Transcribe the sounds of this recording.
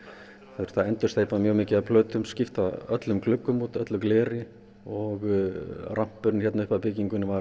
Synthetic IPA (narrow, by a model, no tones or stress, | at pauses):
θeɾ̥θaðɛnt̪ʏ̥st̪ejpamjœːɣmɪːcɪðapʰlœːt̪ʏmscɪft̪aœt̪lʏmklʏkːʏmut̪œt̪lʏmklɛːɾɪ | ɔɣram̥pʏɾnçɛt̪naʏhpapɪciŋkʏnvaɾ